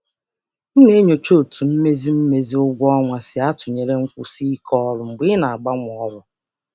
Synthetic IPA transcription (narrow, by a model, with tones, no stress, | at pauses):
n̩˦ne˦ɲo˨t͡ʃo˦˨tu˨m̩˦me˦zi˦m̩˦me˨zi˦ʊ˦ɡʷɔ˦ŋʷa˨sɪ˨a˦tʊ˨ɲe˨ɾe˦ŋ̩˦kʷṵ˨si˦kʰɔ˦ɾʊ˨ŋ͡m̩˨ɡ͡bi˦na˨a˨ɡ͡ba˦ŋʷ˨ɔ˨˦ɾʊ˨